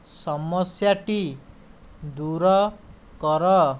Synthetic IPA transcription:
sʌmʌsjaʈi | d̪uɾʌ | kʌɾʌ

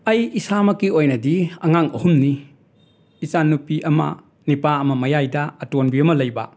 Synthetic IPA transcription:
ɐjisamɐkiojnɐdiɐŋaŋɐhumniː | t͡ʃanːupiʔɐmɐ̰ | nipaɐmɐmɐjajdɐːtonbiɐmɐlɐjbɐ̰

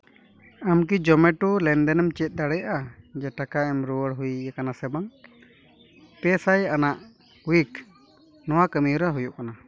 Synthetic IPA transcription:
amk̬id͡ʒɔmɛʈulɛnd̪ɛnɛmt͡ʃɛt̪̚ˀd̪aɽɛjʔad͡ʒɛʈakaɛmɾuwəɽɦujakanasɛbaŋ | pɛsajanaʔ | wik | nɔwakəmiuɾaɦujuʔkana

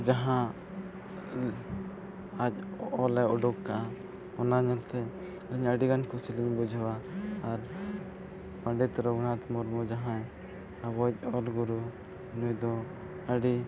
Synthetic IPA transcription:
d͡ʒaɦã | ac̚ɔlɛɔɖukkaʔa | ɔnaɲɔlt̪ɛ | aɾiɲəɖiɡankʰusiliɲbud͡ʒʱwaːɾ | paɳɖɛt̪ɾɔɡɽat̪mɔɾmɔd͡ʒaɦãj | abɔc̚ɔlɡuɾu | nujd̪ɔ | əɖi

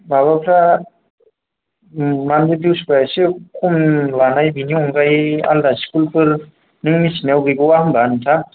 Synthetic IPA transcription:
baβapʰɾa | mandidiwsipajasikʰumlanajbiniɔŋɡaja̰ldasi̥kulpɯɾ | niŋmisinawɡɯjɡɯwahɯŋbanɯtʰa

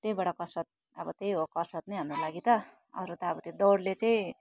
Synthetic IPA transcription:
t̪ejbʌɽʌkʌsʌt̪̚ | ʌbʌt̪ejɦokʌsʌt̪nʌjɦamrolaɡit̪ʌ | ʌ̰ɾut̪ʌːbʌt̪ed̪ʌwɽlet͡saĩ

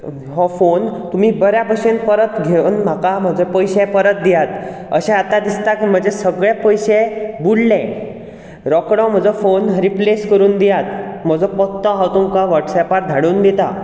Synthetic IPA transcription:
ɦɔfont̪um̤iːbəɾjabʱəɕenpəɾət̪ɡʱenm̤akam̤əd͡zʱɔpəjɕɛ̃pəɾət̪̚d̪ijat̪ | əɕɛ̃at̪ad̪ist̪akm̤əd͡ʑesəɡɭjapəjɕẽbullɛ̃ | ɾɔkɽɔ̃m̤əd͡zɔfonɾipleskəɾuːnd̪ijat̪̚m̤əd͡zɔpɔt̪ːəɦawt̪uŋkaʋəɾʈsɛpat̪̚d̪ʱaɽuːnd̪et̪a

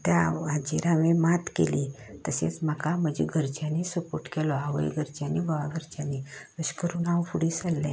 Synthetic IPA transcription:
t̪jaad͡ʑiɾaʋẽmat̪kḛlit̪əsḛt͡sm̤əkaməd͡ʑiɡʱəɾt͡ɕjanesəpoɾʈkɛlɔaʋəj̰ɡʱəɾt͡ɕjanibʱəʋaɡʱəɾt͡ɕjaneʋəɕkəɾuːnaʋfuɽisəlːɛ̃

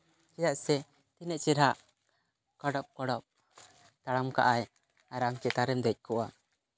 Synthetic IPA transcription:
kɛjaʔsɛ | t̪inɛʔt͡ʃiɾɦaʔ | kɔɖɔp̚kɔɽɔp̚ | t̪aɽamka̰ʔaj | aɾamkɛt̪aɾɛmd̪ɛc̚ˀkʰɔʔa

